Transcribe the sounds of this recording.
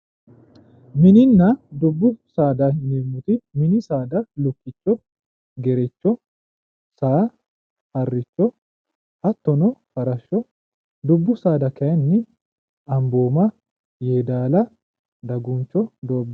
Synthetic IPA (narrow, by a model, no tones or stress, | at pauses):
mɪnɪnːɐd̪ʊbːʊsaːd̪ɐhɪnɪmʊt̪ɪmɪnɪsaːd̪ɐlʊkːɪt͡ʃːɔ | ɡɛɾɛt͡ʃːɔ | saː | hɐrːɪt͡ʃːɔ | ɐt̪ːɔnɔfɐɾɐʃːɔ | d̪ʊbːʊsaːd̪ɐkɐjɐnːɪ | ɐmboːmɐ | jeːd̪aːlɐ | d̪ɐɡʊnt͡ʃːɔd̪o̞ːbːɐ